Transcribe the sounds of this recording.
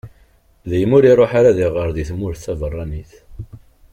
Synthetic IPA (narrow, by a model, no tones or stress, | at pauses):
ðæjəmʊɾirˤoħaɾaðiʁəɾðiθmʊɾθævərˤːɑniθ